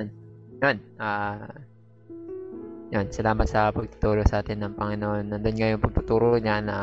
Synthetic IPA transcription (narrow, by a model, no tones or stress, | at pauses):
njonʔaː | jonsɐlaːmɐt̪̚sɐpɐɡ̚t̪ʊ̥t̪uːɾosɐʔaːt̪ɪnːɐŋpɐŋɪnoʔonːɐnd̪ʊnŋɐjonpɐɡ̚t̪ʊt̪uːɾoɲanɐ